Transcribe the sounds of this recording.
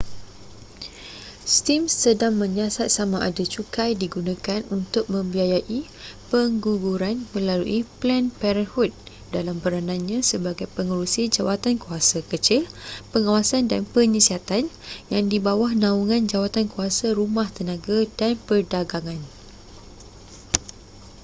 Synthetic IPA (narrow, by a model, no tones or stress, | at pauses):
st̪imsədaŋmə̃ɲasat̪̚samaʔadat͡ʃukajdiɡunãkanunt̪ʊk̚mə̃mbiajaʔi | pəŋɡuɡuɾanmə̃lalṵʔiplɛnpɛɾənhut̪̚ | dalampəɾanãnɲãsəbaɡajpəŋəɾusid͡ʒawat̪ankuasakət͡ʃilpəŋawasandanpəɲəsiɦat̪anjaŋdibawahnãuŋãnd͡ʒawat̪ankuasaɾumãht̪ənãɡadanpərdaɡaŋãn